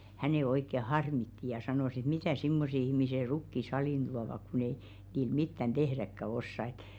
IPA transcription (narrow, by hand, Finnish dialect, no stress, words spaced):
hæneˑ oikːe hɑrmitːi jɑ sɑnoˑs et mitæˑ simːose ihmise rukːi sɑliˑn d̥uɑʋɑk kun ei niː mitːæn d̥ehrækːæ osːɑ ĕt